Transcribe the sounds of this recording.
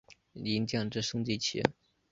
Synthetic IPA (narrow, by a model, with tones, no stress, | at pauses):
li˧˥nt͡ɕjɑ˥˨˩ŋʈ͡ʂɻ̩˥˩ʂɤ˥ŋt͡ɕi˥˩t͡ɕʰɛ̰˧˥